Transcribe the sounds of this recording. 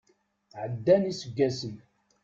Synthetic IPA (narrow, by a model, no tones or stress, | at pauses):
ʕəd̪ːænisəɡːæsən